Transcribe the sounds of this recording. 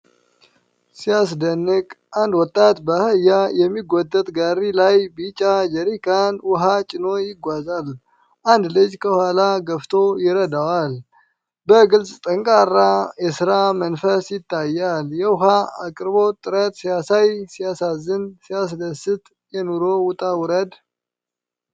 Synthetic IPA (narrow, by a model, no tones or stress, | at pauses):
sijasd̪ənːɨkʼʔand̪wɔt̪ʼːat̪bəhəjːajɛmːiɡʷːod̪ət̪ʼɡaɾilajbit͡ʃʼad͡ʒɛɾikʰanwʊɦat͡ʃʼɪno̞jɪɡʷazal | ʔand̪lɨd͡ʒkʰəhalaɡəft̪ʰojɪɾəd̪awal | bəɡɨlsʼt̪ʼəŋkʼarːajɛsɨɾamənfəsjɪt̪ʰːajːaljɛwʊɦaakʼɾbot̪ʼɨɾət̪̚ʼsijasajsijasazːɨnsijas̬d̪əsɨt̪ʼ | jɛnuɾowʊt̪ʼawʊɾəd̪